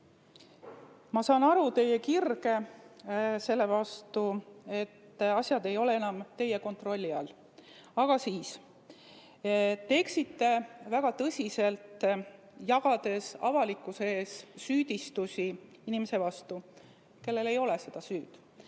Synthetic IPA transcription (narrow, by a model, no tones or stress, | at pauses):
mɑsɑːnɑɾut̪e̞jekirɡe̞ | se̞lːe̞vɑst̪ue̞t̪ːɑsʲjɑd̪e̞jo̞le̞e̞nɑmt̪e̞jːe̞ko̞nt̪ro̞lʲːiɑl | ɑɡ̥ɑsiːs | t̪e̞ːksit̪ːe̞væɡ̥ɑt̪ɤsʲise̞lt̪ | jɑɡ̥ɑd̪̥e̞sɑ̰vɑlikːˑuseeːsːyːd̪̥ʲist̪usʲi | inimese̞vɑst̪u | ke̞lːe̞le̞jo̞le̞se̞d̪̥ɑsyːd̪̥